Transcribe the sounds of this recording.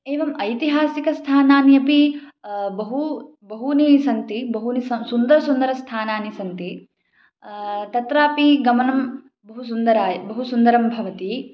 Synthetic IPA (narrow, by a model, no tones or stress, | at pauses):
eːʋɐmɐjt̪iɦaːsikɐst̪ʰaːnaːnijɐpi | bɐɦu | bɐɦunisɐnt̪ibɐɦunisɐmsund̪ɐɾɐsund̪ɐɾɐst̪ʰaːnaːnisɐnt̪i | t̪ɐt̪ɾaːpiɡɐmɐnɐm | bɐɦus̬und̪ɐɾaːjbɐɦusund̪ɐɾɐmbʱɐʋɐt̪i